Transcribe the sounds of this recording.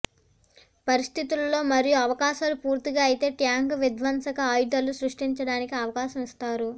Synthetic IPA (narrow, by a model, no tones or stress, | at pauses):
pɐɾist̪ʰit̪ulɐlːo̞ːmɐɾijuɐʋɐkaːʃaːlupuːɾt̪iɡaːɐjit̪e̞ːʈjaːŋɡʋid̪ʋɐnsɐkɐaːjud̪ɐlusɾuʂʈiɲt͡ʃɐɽaːnikiɐʋɐkaːʃɐmist̪aːɾu